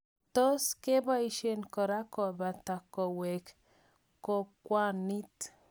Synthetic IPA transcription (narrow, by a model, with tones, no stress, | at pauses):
t̪o˦ske˦ba˦i˦ʃe˨nko˨ɾa˦ko˨ba˨t̪a˨ko˨wɛ˨k | ko˨kwa˦ni˦t̪